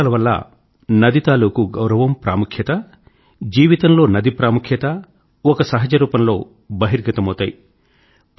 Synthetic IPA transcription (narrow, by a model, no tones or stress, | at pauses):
lɐʋɐlːɐ̰ | nɐd̪it̪aːluːkuɡɐwɾɐʋɐmpɾa̰ːmukʰjɐt̪ɐ | d͡ʒiːʋit̪ɐmlo̞ːnɐd̪ipɾaːmukʰjɐt̪ɐ | ɔkɐsɐɦɐd͡ʒɐɾuːpɐnlo̞̰ː | bɐɦiɾɡɐt̪ɐmɐwt̪aːji